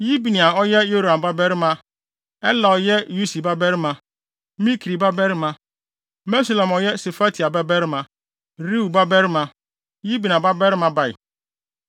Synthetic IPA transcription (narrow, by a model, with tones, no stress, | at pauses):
ji˦bi˨nĩ˨a˨ɔ˦jɛ˦jo˦ɾã˨mba˦bɛ˦ɾɪ˦mã˨ | ɛ˦la˨ɔ˨jɛ˦ju˦si˨ba˦bɛ˦ɾɪ˦mã˨ | mĩ˦kʰɾi˨ba˦bɛ˦ɾmã˨ | bɛ˦sa˨lɛ̃˨mɔ˨jɛ˦se˨fa˦tʰi˨a˨ba˦bɛ˦ɾmã˨ | ɾi˦u˨ba˦bɛ˦ɾɪ˦mã˨ | ji˦bi˨n˨ã˨ba˦bɛ˦ɾmã˨ba˨ɪ̰˨